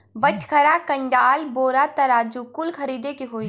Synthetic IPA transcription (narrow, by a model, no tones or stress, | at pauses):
bɐt͡ʃkʰɐɾakɐ̃ɲd͡ʒaːlboːɾat̪ɐɾaːd͡ʒukʊlkʰɐɾiːd̪ekiɦoːi